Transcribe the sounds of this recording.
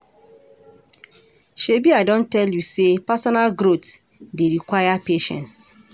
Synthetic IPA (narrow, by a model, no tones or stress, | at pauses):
ʃebiadɔ̃ntɛljusepasɔnalɡɾot | deɾikwajapeʃɛ̰̃ns